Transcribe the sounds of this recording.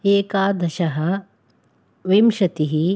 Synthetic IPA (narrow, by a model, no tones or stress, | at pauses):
eːkaːd̪ɐʃɐɦɐ | ʋimʃɐt̪iɦi